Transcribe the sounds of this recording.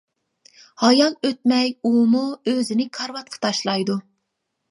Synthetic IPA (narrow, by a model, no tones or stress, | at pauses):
hɑjɑlˠøt̪̚mɛjumuøzɪnɪkʰɑɾwɑt̪̚qʰə̥t̪ʰɑʃlˠɑjd̪u